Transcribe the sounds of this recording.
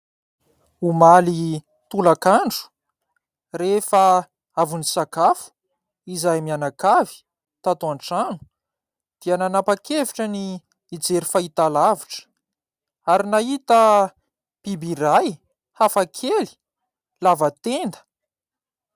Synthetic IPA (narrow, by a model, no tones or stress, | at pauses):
umali | t̪ulakaɳɖ͡ʐu̥ | refə | avunisakafu̥ | izajmianakavi̥ | t̪at̪uaɳʈ͡ʂanu̥ | d̪̥iananapakeviʈ͡ʂəniː | d͡zeɾifait̪alaviʈ͡ʂə̥ | aɾinaɦit̪ə | pibiɾaj | hafakʰeli̥ | lavat̪end̪ə̥